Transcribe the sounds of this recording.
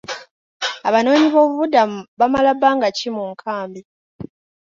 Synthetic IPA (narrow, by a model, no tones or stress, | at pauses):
aβano̞ːɲiβo̞ːβuβudamuβamalabaŋɡacimuŋkʰaːmbi